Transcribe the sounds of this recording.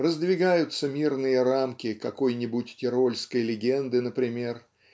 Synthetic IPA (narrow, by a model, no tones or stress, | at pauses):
rəzd̪vʲɪɡajʊt̪səmʲirnɨjəɾamkʲɪkɐko̞jnʲɪbʊtʲtʲɪɾo̞lʲskəjlʲɪɡʲe̞nd̪ɨnəpɾʲɪmʲe̞r